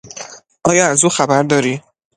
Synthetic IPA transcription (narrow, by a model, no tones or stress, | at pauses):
ʔɒːjɒæzuːxæbæɾd̪ɒːɾiː